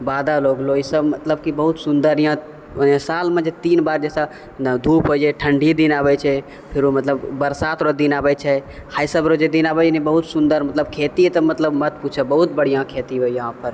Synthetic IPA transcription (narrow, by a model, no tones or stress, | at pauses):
baːd̪aloːɡloisəbmət̪ləbkibəɦut̪sʊnd̪əɾjɦã | saːlmẽd͡ʒet̪iːnbaːɾd͡ʒɛːsa | d̪ʱuːpʰɦod͡ʒɛʈʰəɳɖʱid̪inaːbɛt͡ʃʰɛ | pʰɪɾomət̪ləbbəɾsat̪ɾod̪inaːbɛt͡ʃʰɛkʰajsəbɾod͡ʒed̪inaːbɛd͡ʒnibəɦut̪sʊnd̪əɾmət̪ləbkʰeːt̪it̪əmət̪ləbmət̪put͡ʃʰəbəɦut̪̚bəɽ̤ijãkʰet̪iɦoijəɦãpəɾ